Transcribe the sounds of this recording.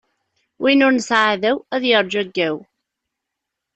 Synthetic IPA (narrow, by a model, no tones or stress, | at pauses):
wʔinʊɾnəsʕaðæwæðjəɾˤd͡ʒæɡːæw